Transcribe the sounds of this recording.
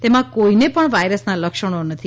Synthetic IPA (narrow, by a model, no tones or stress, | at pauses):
t̪emãkoinepəɳʋajɾəsnaləkʃəɽ̃onət̪ʰi